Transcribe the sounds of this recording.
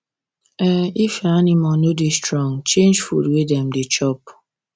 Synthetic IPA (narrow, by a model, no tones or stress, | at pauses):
ɛifeanɪmɔnodestɾɔŋt͡ʃẽnd͡ʒfṵdwedɛm̩dɪt͡ʃɔp